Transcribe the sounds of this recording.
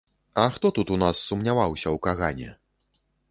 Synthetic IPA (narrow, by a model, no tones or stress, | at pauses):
ɐxt̪ɔt̪ut̪unasːumnʲavawsʲɐwkaɣanʲɛ̰